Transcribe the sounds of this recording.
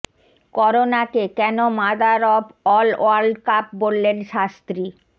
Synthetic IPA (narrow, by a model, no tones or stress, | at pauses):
kɔɾonakekɛnomad̪aɾɔbɔlo̰aɾɖkap̚bolːenʃast̪ɾi